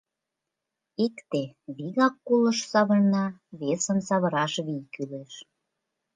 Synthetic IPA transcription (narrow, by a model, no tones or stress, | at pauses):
ekt̪eβiɣɑkːulə̆ʃsɑβə̆rnɑβesə̆nsɑβə̆ɾɑʃβijkyleʃ